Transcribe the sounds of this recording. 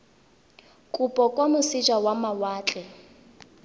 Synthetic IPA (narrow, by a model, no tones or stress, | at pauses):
kʼupʼɔkʼwamʊsid͡ʒawamawaːt͡ɬʼɛ